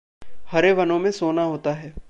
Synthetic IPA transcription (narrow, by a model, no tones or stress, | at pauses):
hɐɾeʋɐnõmẽsoːnaɦoːt̪aɦɛː